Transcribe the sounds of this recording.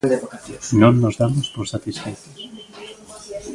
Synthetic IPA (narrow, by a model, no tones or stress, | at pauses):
nõnːozðamospoɾsat̪isfejt̪o̥s